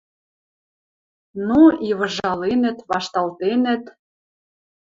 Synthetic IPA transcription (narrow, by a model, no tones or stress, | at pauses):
nuiβɤ̆ʒɑlenə̆t̪βɑʃt̪ɑlt̪enɘ̆t̪